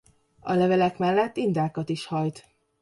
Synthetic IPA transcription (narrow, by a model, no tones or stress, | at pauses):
ɒlɛvɛlɛkmɛlːɛt̪ːind̪aːkɒt̪iʃhɒjt̪